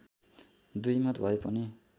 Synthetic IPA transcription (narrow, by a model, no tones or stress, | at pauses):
d̪ujmʌt̪bʱʌepʌni